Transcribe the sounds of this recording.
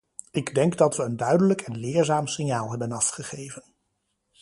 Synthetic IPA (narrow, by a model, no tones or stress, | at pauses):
ɪɡdɛŋɡdɑtʋəːndœɥdələkʰɛnlɪːɹzaːmsɪnjaːlˠɦɛbənɑfχəχejvən